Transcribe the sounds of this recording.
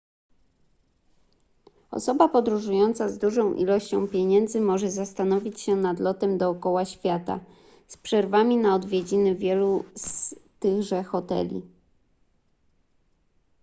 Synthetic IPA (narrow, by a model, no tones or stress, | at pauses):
ɔ̰sɔbapɔd̪ɾuʐujɔnt̪sazd̪uʐɔ̃w̃ʔḭlɔɕt͡ɕɔ̰̃w̃pʲjeɲɛnd̪zɘmɔʐɛzast̪anɔvʲit͡ɕɕɛnad̪lɔt̪ɛmd̪ɔːkɔwaɕfʲjat̪a̰ | spʂɛɾvamʲinaɔd̪vʲjed͡ʑinɘvʲjɛlust̪ɘɣʐɛxɔt̪ɛ̰lʲḭ